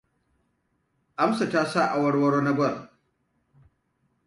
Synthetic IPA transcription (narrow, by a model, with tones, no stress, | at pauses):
ʔa˦msa˨taː˦sa˦˨ʔa˨wɐ˦ɽwɐ˦ɽoː˦na˦ɡʷɐ˦˨r